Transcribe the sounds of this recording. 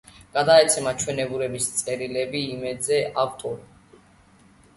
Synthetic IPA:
ɡ̥ad̪aɛt̪sʰɛmat͡ʃʰwɛnɛbuɾɛbist̪sʼɛɾilɛbiːmɛd̪zɛʔaft̪ʼɔɾi

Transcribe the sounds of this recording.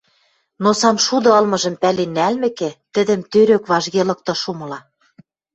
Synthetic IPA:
nosɑmʃud̪ɤ̆ɤ̆lmɤ̆ʒɤ̆mpælenːælmɘ̆kɘ̆t̪ɘ̆d̪ɘ̆mt̪øɾøkβɑʒɣelɤ̆k̚t̪ɤ̆ʃumɤ̆lɑ

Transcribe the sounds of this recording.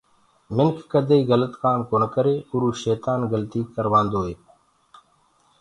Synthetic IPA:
mɪnkʰkəd̪ʱeːiːɣələt̪kaːmkoːnkəɾeːʊɾuːʃeːt̪aːnɣəlt̪iːkəɾʋãːnd̪oːɦeː

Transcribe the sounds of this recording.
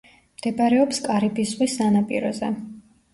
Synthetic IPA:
md̪ɛbaɾɛɔpskʼaɾibʰisvisanapʼḭɾɔzɛ

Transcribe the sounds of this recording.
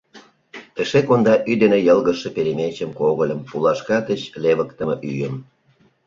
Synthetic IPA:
eʃekond̪ɑʔyd̪enejəlɣəʃepeɾemet͡ɕəmkoɣəlʲə̆mpulɑʃkɑt̪ət͡ɕleβəkt̪ə̆məʔyjəm

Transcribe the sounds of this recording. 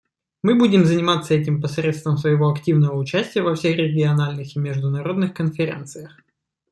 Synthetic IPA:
mɨbudʲɪmzənʲɪmat̪sːəɛtʲɪmpɐsɾʲet̪st̪vəmsvəjɪvo̞ɐktʲivnəvəʊt͡ɕæsʲtʲɪjəvɐfsʲexrʲɪɡʲɪɐnalʲnɨximʲɪʐd̪ʊnɐɾo̞d̪nɨxkənfʲɪɾʲḛnt̪sɨjəx

